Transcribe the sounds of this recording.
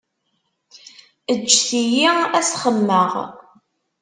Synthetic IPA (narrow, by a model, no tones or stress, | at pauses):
əd͡ʒːθijiæsχəmːəʁ